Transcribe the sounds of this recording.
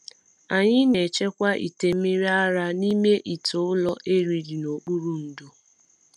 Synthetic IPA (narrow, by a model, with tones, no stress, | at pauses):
a˨ɲɪ˦ne˨t͡ʃe˦kʷa˦ʔḭ˨te˨mi˦ɾi˦a˦ɾa˦ni˦me˦ʔi˨to˨ʊ˦lɔ˦ʔe˦ɾi˨ɾi˨no˨k͡pu˦ɾu˦n̩˨do˨